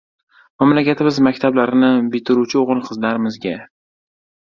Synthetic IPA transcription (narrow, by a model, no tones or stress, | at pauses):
mamlakʲat̪ʰɪmɪzmakʲt̪ʰablaɾɪnɪbɪt̪ʰɪɾut͡ʃʰɪoʁɨlˠqʰɨzlaɾɪmɪzɡʲa